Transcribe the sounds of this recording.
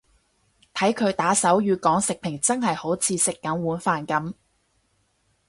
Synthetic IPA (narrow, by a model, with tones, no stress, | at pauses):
t̪ʰɐ˨˥jkʰɵ˨˧ɥt̪aː˨˥sɐ˨˥wjyː˨˧kɔː˨˥ŋsɪ˨k̚pʰɪ˨˩ŋt͡sɐ˥nɦɐ˨jho˨˥wt͡sʰiː˨˧sɪ˨kːɐ˨˥mwuː˨˥nfaː˨nkɐ˨˥m